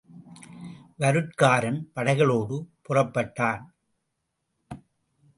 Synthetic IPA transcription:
ʋɐɾɯʈkaːɾɐnpɐɽɐɪɣɐɭoːɽɯpʊrɐpːɐʈːaːn

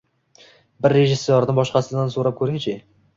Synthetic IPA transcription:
bɪɾːe̞ʒɪsːoɾnɪbɒʃqɑsɪd̪ansoɾap̚kʰɵɾɪŋt͡ʃʰɪ

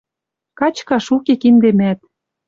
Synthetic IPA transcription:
kɑt͡ɕkɑʃukekind̪emæt̪̚

